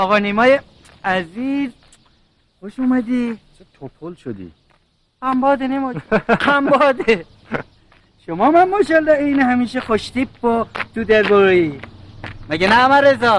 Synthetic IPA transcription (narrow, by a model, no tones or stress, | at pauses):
ɒɣɑnimɒːje | æziz | xoʃumæd̪i | t̪ʰopʰolʃod̪ḭ | hæmbɒːd̪enimɔhæmbɔːd̪e | ʃomɒːmænmoʃɔld̪ɑejnehæmiːʃexoʃt̪ipːot̪ud̪eɾboɾui | mæɡenæmæɾezɒ